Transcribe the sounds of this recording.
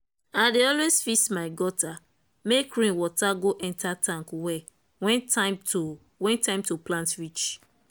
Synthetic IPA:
adeɔlwesfismaɪɡɔta | mekɹĩnwɔtaɡoʔɛ̃ntatʰãŋkwɛ | wɛ̃ntato | wɛ̃ntãɪ̃mtoplãntɹit͡ʃ

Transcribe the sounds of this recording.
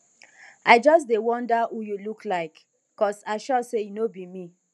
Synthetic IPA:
aɪd͡ʒɔs̬dewɔ̃ndawujulukʰlaɪk | kɔsaɪʃɔsejinobimi

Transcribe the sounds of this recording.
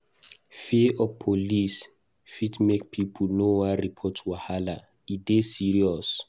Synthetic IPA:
fiʔɔpʰolis | fitmekpʰipʰulnowaɾipʰɔtʰwahala | idesiɹiɔs

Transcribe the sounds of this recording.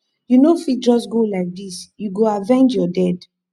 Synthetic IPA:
junofid͡ʒɔsɡolaɪk̚disjuɡoavɛ̃nd͡ʒjɔdɛd

